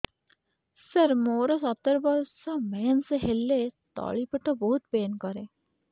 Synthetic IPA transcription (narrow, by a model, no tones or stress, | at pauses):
səɾmoːɾəsɐt̪əɾbɔɾsːamɛːnseɦelːet̪ɔ̰ːɭipəʈəbɔɦut̪̚peːnkɔɾẽː